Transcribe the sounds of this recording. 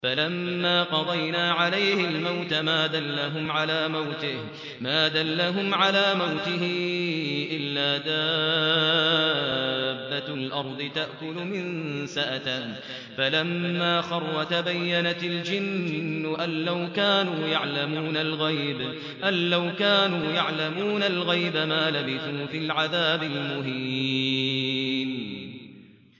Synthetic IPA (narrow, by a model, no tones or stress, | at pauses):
falamːaːqɑd̪ˤɑjnaːʕalajhɪlmawt̪amaːd̪alːaɦʊmʕalaːmawt̪ɪh | maːd̪alːaɦʊmʕalaːmawt̪ɪɦɪ | ʔɪlːaːd̪aː | bːalʔɑɾˤd̪ˤɨt̪aʔkʊlmɪnsaʔat̪a | falamːaːxɑrˤːɑt̪abajːanat̪ɪld͡ʒɪnːʊʔanːawkaːnuːjaʕlamuːnalɣajb | ʔanːawkaːnuːjaʕlamuːnalɣajbamaːlabɪθuːfɪlʕaðaːbɪlmʊhi | n